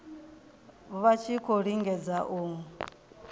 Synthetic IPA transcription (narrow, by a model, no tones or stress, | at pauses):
βat͡ʃʰikʰoɺiŋɡɛd͡zaʔuː